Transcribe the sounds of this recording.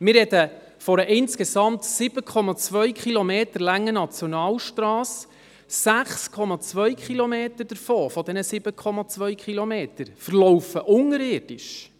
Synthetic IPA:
mɪrɾɛdə | fɔɾəʔɪnskesɑmtsɪb̥əkʰɔmɑt͡sʋœɥkχilomeːtəɾlæŋːənɑt͡sjɔnɑːlʃtɾɑːs | sæχskʰɔmɑt͡svʋœʏkχilɔmeːt̪əd̥əɾfoːfɔd̪ɛnəsɪb̥əkʰɔmɑt͡svœɥkχilomeːtəɾfəɾlɔwfəʔʊŋəɾɪːrd̥ɪʃ

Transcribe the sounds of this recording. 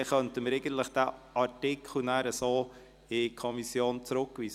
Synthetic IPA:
χœntəməɾeɪɡən̩t̪ləχd̥æːɑɾtɪkʰl̩næːɾəsoː | ɪkʰɔmisjoːnt͡sɾʊkːʋiː

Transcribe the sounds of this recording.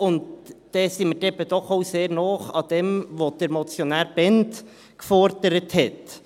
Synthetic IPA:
ʊnd̥ː | ɛsimədɛbədɔχoʊseːɾnɔːχɑ̰d̥̪ɛmʋod̥əɾmɔt͡sjonæːɾb̥ɛnt | kfɔɾd̥əɾəthɛt

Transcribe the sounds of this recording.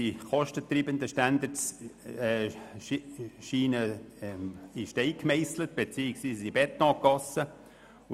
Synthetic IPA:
iχɔʃtət̪riːbənd̪əʃtænd̪əɾ | ʃiːnə | iʃteɪkmɛɪslət̪̚b̥et͡siːɪksʋiːsibɛt̪ːɑ̃ːkːɑsːə

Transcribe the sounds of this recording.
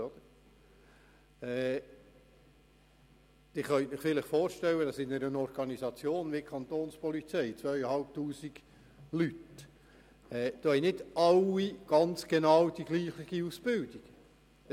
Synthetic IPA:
ɔd̪̥əɾ | ɛː | d̪̥ɪχœnt̪mɪχfɪləχfoːɾʃtɛlːəd̥ɑsɪnəɾənɔɾɡ̥ɑnizɑt͡sjoːnʋɪkʰɑnt̪oːnspɔlit͡sɛɪt͡sʋœʏəhɑlp̚t̪uːsiɡ̥ | lyt | ɛːd̪̥oːɛnɪdɑlːiɡ̥ɑnt͡sɡ̥enɑwd̥iɡliːχɪɡ̥iusb̥ɪld̥iɡ̥

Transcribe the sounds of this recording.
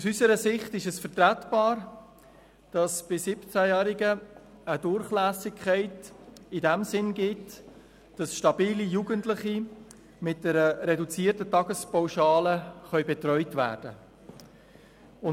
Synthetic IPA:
usysəɾəsɪχtɪʃɛsfəɾtɾætb̥ɑːɾ | d̥ɑsb̥ɪsɪpt͡sæjæːɾɪɡə | ədʊɾχlæːsɪkʰɛɪtɪdɛmsɪnɡɪt | d̥ɑsʃtɑbiːlijuːɡəntlɪχi | mɪt̚d̥ɛɾəɾɛdut͡siːrtətɑɡəspawʃɑːləχœʏbɛtrœʏtvæ̰ːɾd̥ə | ʊ

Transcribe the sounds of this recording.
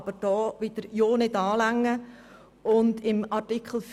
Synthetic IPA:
b̥əɾd̥ɔːʋɪd̥̪əɾjoːnɪdɑːlæŋːə | ʔʊndɪmɑɾtikʰl̩f

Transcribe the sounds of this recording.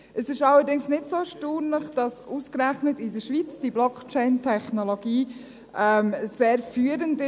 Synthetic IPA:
əsɪʃɑlːəɾdɪŋsnɪdsoʃtuːnləχd̥ɑsuːskɾæχnətɪdəɾʃʋiːt͡sd̥iblɔkt͡ʃɛɪntʰɛχnoloɡ̥iː | ʔɛmseːɾfyːəɾəndɪ

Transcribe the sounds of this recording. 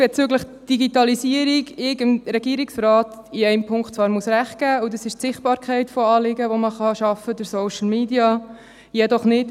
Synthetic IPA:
b̥ɛt͡søɡləχ | d̥iɡitɑlisiəɾiɡɪɡəmɾɛɡ̥iːɾiksɾɑːtiɛɪmpʰʊŋktt͡sʋɑːɾmuəsɾæχt̚ɡ̥æːudɑsɪʃtsɪχt̚b̥ɑːɾkʰχɛɪtfoɑːlɪɡəʋoməχɑʃɑfədəɾsoʊʃl̩meːdiɑ | jɛdɔχnɪt

